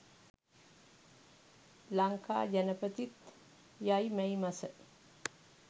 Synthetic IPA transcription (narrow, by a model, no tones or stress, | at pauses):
laŋkʰa̰jənəpət̪ʰit̪ | jajməjmasəʔ